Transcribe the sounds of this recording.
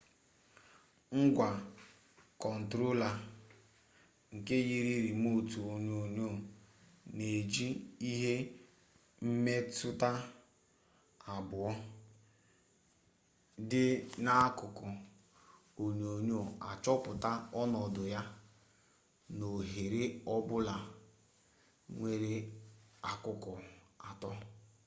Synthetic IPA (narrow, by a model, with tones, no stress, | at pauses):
ŋ̩˦ɡʷa˨ | kɔ˨n̩˨tɾo˦la˨ | ŋ̩˨ke˦ɣi˦ɾi˦ɾi˨mo˦tu˨o˨ɲo˨ɲo˦˨ | ne˨d͡ʒi˦i˦ɦe˦ | m̩˦me˦tʊ˦ta˦ | a˨bʊ˨ɔ˦ | dɪ˦na˦kʊ˨kɔ˨ | o˨ɲo˨ɲo˦˨a˨t͡ʃɔ˦pʊ˨ta˦ɔ˦nɔ˨dʊ˨ja˦ | no˨ɦe˨ɾe˦ɔ˦bʊ˦la˨ | ŋʷe˦ɾe˦a˨kʊ˨kɔ˨a˨tɔ˦